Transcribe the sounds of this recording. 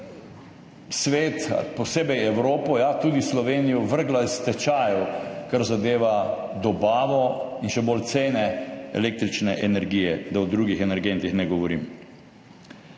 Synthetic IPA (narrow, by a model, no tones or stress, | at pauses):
sʋeːt̪pɔseːbɛjɛwɾoːpɔjat̪uːd̪islɔʋeːnijɔʋəɾɡlast̪ɛt͡ʃaːjɔkaɾzad̪eːʋa | d̪ɔbaːʋɔinʃɛbolt̪seːnɛɛ̰leːk̚t̪ɾit͡ʃnɛʔɛnɛɾɡiːjɛd̪awd̪ɾuːɡixɛnɛɾɡent̪ixnɛɡɔʋɔɾḭm